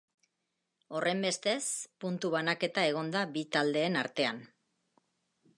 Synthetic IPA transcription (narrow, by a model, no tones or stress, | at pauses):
o̞rʔe̞mbe̞st̪e̞spunt̪uβ̞anake̞t̪ae̞ɣ̞o̞nd̪abit̪ald̪e̞ːnaɾt̪e̞an